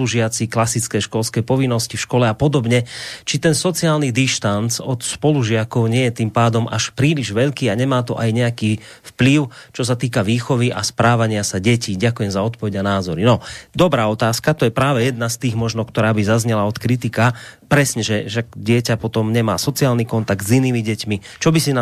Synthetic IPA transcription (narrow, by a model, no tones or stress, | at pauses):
luʒɪat͡siklasit͡skɛʃkɔlskɛjpɔʋinːɔscifʃkɔlɛapɔd̪ɔbɲɛt͡ʃit̪ɛnsɔt͡siaːlnid̪iʃt̪ant͡sɔt̪spɔluʒɪakɔʊɲɪɛjɛt̪impaːd̪ɔmʔa̰ʃpɾiːliʒʋɛʎkiːaɲɛmaːt̪ɔʔajɲɛakiː | fpliʊt͡ʃɔs̬at̪iːkaʋiːxɔʋiʔa̰spɾaːʋaɲɪasaɟɛciːɟakujɛmzaɔt̪̚pɔʋɛɟanaːzɔɾinɔd̪ɔbɾaːɔt̪aːskat̪ɔjɛpɾaːʋɛjɛd̪nast̪iːɣmɔʒnɔkt̪ɔɾaːbizazɲɛlaɔt̪kɾit̪ikapɾɛsɲɛʒɛʃak̚ɟɪɛcapɔt̪ɔmɲɛma̰ːsɔt͡siaːlnikɔnt̪aɡ̪̚ziniːmiɟɛcmit͡ʃɔbisin